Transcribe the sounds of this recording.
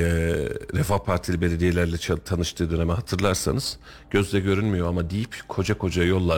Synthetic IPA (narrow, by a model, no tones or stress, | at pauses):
ɾɛfahpʰaɾt̪ʰilʲibe̞lʲe̞d̪ijelʲæɾlʲɛt͡ʃʰt̪ʰanɯʃt̪ʰɯːd̪ø̞nemɛɦat̪ʰɯɾlˠaɾsa̰nɯz̥ | ɟ̥ø̞zd̪ɛɟø̞ɾylʲmijo̞amad̪ijipkʰo̞d͡ʒakʰo̞d͡ʒajo̞lˠːa